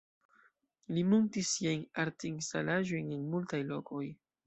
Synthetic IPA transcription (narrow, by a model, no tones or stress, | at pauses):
limontisːiajnaɾtinstalaʒo̞jnenmultajlo̞ko̞j